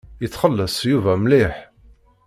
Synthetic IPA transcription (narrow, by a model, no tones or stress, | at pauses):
jət͡sːχəlːəsˤjuvæmlɪħ